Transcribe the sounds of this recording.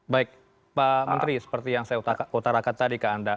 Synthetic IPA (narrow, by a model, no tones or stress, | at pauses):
baɪk̚ | pamənt̪ɾisə̥pərt̪ijaŋsajaut̪akut̪aɾakat̪adikaːnda